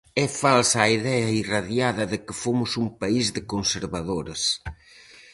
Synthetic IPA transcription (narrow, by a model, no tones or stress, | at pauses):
ɛfalsːiðɛɐiraðjaðɐðɪkɪfomʊsuŋpaizðɪkonseɾβaðoɾɐs